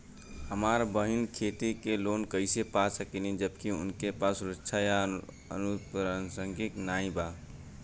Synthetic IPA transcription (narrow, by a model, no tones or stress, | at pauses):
həmaɾbəɦinkʰet̪ikelonkəɪsepasəkinid͡ʒəbkiʊ̰nkepasuɾətːt͡ʃʰaja | ə̰nuɾənsəŋɡiknaĩba